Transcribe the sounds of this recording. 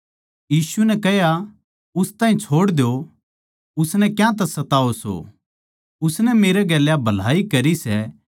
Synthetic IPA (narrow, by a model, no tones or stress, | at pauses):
jiːsuɛnɛkɛɦja | ʊst̪ãːɦĩt͡ʃʰoːɽd̪jo | ʊsnɛkjãt̪̬ɛsɐt̪aːoso̰ | ʊsnɛmeːɾɛɡɛːljabʱɐl̤a̰ːikɐɾisɛ